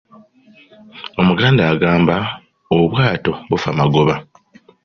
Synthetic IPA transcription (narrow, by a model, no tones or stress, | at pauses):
o̞muɡaːndaːɡaːmba | oβwaːto̞βufamaɡo̞βa